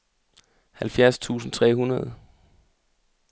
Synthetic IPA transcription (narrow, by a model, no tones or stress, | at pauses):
hælfjæɐst͡sʰṵːsn̩t͡sʰʁɛ̰ːhunɐð̞ˠə